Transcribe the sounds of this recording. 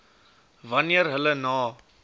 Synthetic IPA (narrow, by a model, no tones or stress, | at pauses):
vɐnjəɾɦələnaː